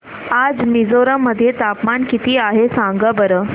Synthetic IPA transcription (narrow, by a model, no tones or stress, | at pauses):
ad͡zmid͡zoɾəmːəd̪ʱːjet̪apmankit̪iːaɦesãŋɡəbəɾəː